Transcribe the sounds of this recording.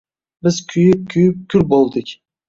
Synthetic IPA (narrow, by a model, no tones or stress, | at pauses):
bɪz̥kʲʰyjyp̚kʲʰyjyp̚kʲʰylbolˠd̪ɪkʲ